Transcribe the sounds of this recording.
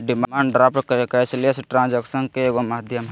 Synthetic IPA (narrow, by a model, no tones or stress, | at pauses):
ɖimamãːɳɖɖɾaːpʈkɐɾekaɪsliesʈɾãːnd͡ʒaksənkeeɡomaːd̪ʱjəmɦ